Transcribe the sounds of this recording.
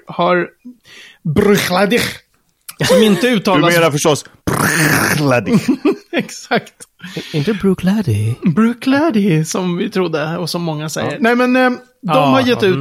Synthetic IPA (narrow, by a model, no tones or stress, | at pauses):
haɾ | bɾɵxlad̪ɪ | sɔmɪnt̪əʉ̟ːt̪ʰːɑːameːɾafœʂʈɔsb̥ɾlad̪ɪɛksakt̪ | ɪnt̪əbɾʉkʰlæd̪ɪbɾʉːkʰlæd̪ɪsɔmvɪt̪ʰɾʊd̪ːəɔsɔmːɔŋːasɛ̰jːəɾnɛjmɛn | d̪ɔmhaɾjɛt̪ːʉ̟ː